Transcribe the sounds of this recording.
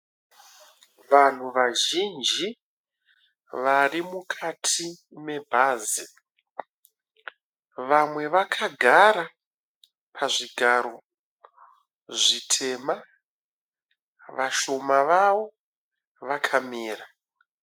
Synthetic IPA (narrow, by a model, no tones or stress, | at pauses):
ʋan̤uʋaʒind͡ʒi | ʋarimukʰatʰi | me̞bʱaːzi | ʋamwe̞ʋakʰaɡʱaɾa | pʰaʐiɡʱaɾo̞ | ʐitʰe̞ma | ʋaʃo̞maʋaʋo | ʋakʰamiːra